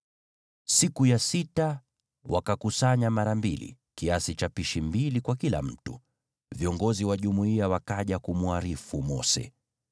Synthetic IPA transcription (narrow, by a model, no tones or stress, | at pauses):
sikujasita | wakakusaɲamaɾambilḭ | kiasit͡ʃapiʃimbilikwakila̰m̩tṵ | viɔŋɡɔziwaʄumuiawakaʄakumuaɾifumɔ̰sɛ̰